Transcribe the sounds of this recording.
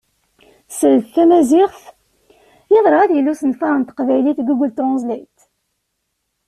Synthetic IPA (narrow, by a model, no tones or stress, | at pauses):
səlθθæmæzɪʁθ | jeðˤɾˤɑæðjəlːusənfæʁənt̪qvæjliθɡəɡʷːlt̪ozˤlæjt̪